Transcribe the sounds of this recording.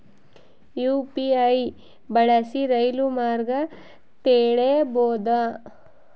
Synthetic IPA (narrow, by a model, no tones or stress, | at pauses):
juːpiɐj | bɐɽɐsiɾɐjlumaːɾɡɐ | t̪eːɽeboːd̪ɐ